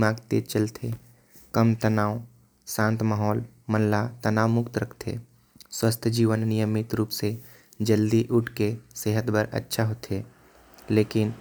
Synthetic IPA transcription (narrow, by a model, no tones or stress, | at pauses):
maːɡt̪eːt͡ʃəlt̪ʰe | kəmt̪ənaːw | sãːnt̪maːɦɔːl | məllat̪ənaːwmʊkt̪ɾəkʰt̪ʰḛ | swəst̪ʰd͡ʒiːʋənnijəmɪt̪ɾuːpse | d͡ʒəld̪iʔʊʈʰkeseːɦət̪bʱəɾə̰tːʃʰaɦot̪ʰeː | leːkɪn